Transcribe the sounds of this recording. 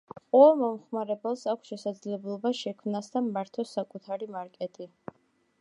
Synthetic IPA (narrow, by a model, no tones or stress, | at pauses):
qʼɔɛlˠmɔmχmaɾɛbɛlˠsakʷʰsʃɛsad̪zlɛblˠɔbaʃɛkʰmnasd̪amːaɾt̪ʰɔsakʼut̪ʰaɾimaɾkʼɛt̪ʼi